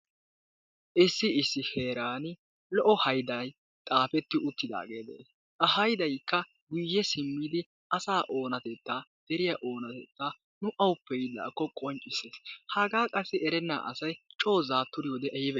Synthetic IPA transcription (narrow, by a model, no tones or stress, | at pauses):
ʔɪsːɪɪsːɪhe̞ːɾaːn | lɔʔɔhɐjd̪ɐj | t̪ʼaːfɛt̪ːɪʊt̪ːɪd̪a̰ːɡe̞ːd̪ɛ̰ | ʔɐhɐjd̪ɐjkːɐ | ɡʊjːɛsɪmːɪd̪ɪ | ɐsaːʔo̞ːnɐt̪ɛt̪ːaːd̪̥ɛɾɪjaʔo̞ːnɐt̪ɛt̪ːaː | nʊʔɐwʊpːɛjɪd̪a̰ːkːɔkʼɔnt͡ʃʼɪseːshɐɡaːkʼɐsːɪʔɛɾɛnːa̰ːʔɐ̰sɐjt͡ʃʼo̞ːzaːt̪ːʊɾɪjoːd̪ɛʔɐjɪbɛ